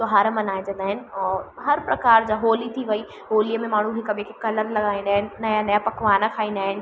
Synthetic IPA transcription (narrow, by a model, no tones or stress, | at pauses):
sʊɦaːɾəmɐnaːɪ̃nd͡ʑɐ̃nd̪aːɦɪnɪ̆ɔːɦɐɾpɾɐkaːɾd͡ʑaɦoːlit̪ʰiʋɐi | ɦoːlijəmẽmaːɳ̤ũɦɪkɐbʱɪkekɐləɾlɐɠaːĩnd̪aːɦɪnɪ̆nɐjãnɐjãpɐkʋaːnakʰaːĩn̆d̪aːɦɪnɪ